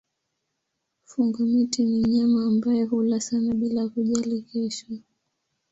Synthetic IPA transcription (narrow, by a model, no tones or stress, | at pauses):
fuŋɡamitiniɲamaːmbajɔɦulasanaɓilakuʄalikɛʃa